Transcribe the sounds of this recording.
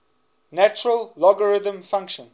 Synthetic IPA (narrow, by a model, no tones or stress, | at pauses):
næt͡ʃəɹəlːɔɡəɹɪðə̃mfãŋkʃə̃n